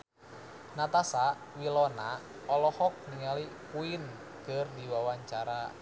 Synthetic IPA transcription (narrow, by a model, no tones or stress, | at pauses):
nat̪asa | wilɔna | ɔlɔhɔk̚niŋalipuin | kərdiwawaɲt͡ʃaɾa